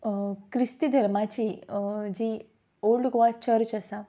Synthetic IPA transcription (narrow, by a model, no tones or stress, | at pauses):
kɾist̪id̪ʱəɾmat͡ɕid͡ʑiː | oɖɡʋat͡ɕəɾt͡ɕəsa